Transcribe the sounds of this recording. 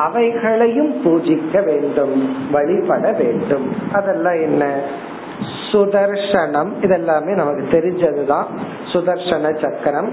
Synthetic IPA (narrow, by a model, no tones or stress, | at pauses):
ɐʋɐɪɣɐɭɐjɯmpuːd͡ʒɪkːɐʋeːɳɖɯmʋɐɭɪpɐɽɐʋeːɳɖɯmʔɐðɛlːãːɛnːɐ | sʊðɐɾʂɐɳɐmɪðɛlːaːmeːnɐmɐkːɯt̪ɛɾɪɲd͡ʒɐðɯt̪ãː | sʊðɐɾʂɐɳɐt͡ʃɐkːɐɾɐm